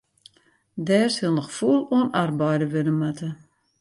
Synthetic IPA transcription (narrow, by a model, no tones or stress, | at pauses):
dɛːrsilˠnəxfuəlˠuənarbɔjdəʋønəmatʰə